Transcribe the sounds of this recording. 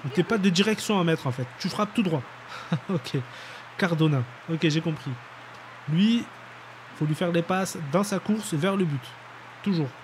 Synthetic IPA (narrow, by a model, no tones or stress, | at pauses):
t̪yɛpad̪əd̪iʁɛksjɔ̃amɛt̪χɑ̃fɛt̪ːyfχap̚t̪ud̪ʁwa | ɔkʲʰe | kaʁd̪ɔnɛ̃ | ɔkʲeʒekɔ̃pχi | lɥi | folɥifɛʁlepasd̪ɑ̃sakuʁsvɛʁləbyt̪ː | uʒuːʁ